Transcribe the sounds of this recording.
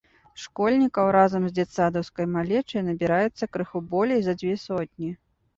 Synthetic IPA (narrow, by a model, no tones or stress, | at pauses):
ʂkɔlʲnʲikɐwɾazɐmzʲd͡zʲɛt̪sad̪ɐwskɐjmalʲɛt͡ʂɐjnɐbʲiɾajɛt̪sːɐkɾɨxubɔlʲejzɐd͡zʲvʲɛsɔt̪ʲnʲi